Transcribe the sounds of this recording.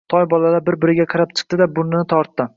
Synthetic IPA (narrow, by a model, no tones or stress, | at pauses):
t̪ʰɒjbɒlalabɪɾbɪɾɪɡʲaqʰɑɾap̚t͡ʃʰɨ̥q̚t̪ɪd̪abʊɾnɪnɪt̪ʰɒɾt̪ːɪ